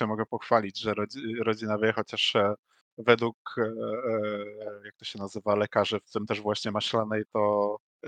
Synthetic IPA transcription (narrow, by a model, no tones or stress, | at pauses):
ɛmɔɡɛpɔxfalʲid͡ʑʐɛɾɔd͡ʑɾɔd͡ʑinavʲjɛxɔt͡ɕaʂ | vɛd̪wuk | jak̚t̪ɔɕɛnazɘvalɛkaʐɘft̪ɘmt̪ɛʐvwaɕɲɛmaɕlanɛjt̪ɔ